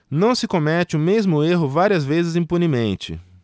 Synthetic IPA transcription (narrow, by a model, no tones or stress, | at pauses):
nɐ̃w̃sɪkõmɛt͡ʃɪʊmezmʊeɦʊvaɾiɐzvezɪzĩpunimẽnt͡ʃɪ̰